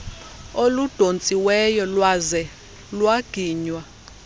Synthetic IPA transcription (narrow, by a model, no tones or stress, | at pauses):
olud̥ʱont͡sʼiwɛjɔlwazɛ | lwaɡ̥ʱiːɲwa